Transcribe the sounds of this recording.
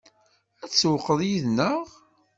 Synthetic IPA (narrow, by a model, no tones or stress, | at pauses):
æt͡sːwəqːəðˤjiðnəʁ